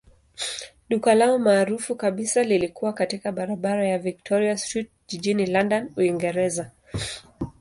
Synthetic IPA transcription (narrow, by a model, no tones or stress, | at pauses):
ɗukalaɔmaːɾufukaɓisalilikuwakatikaɓaɾaɓaɾajavik̚tʰɔɾiastɹit̚ | ʄiʄinilandanuiŋɡɛɾɛza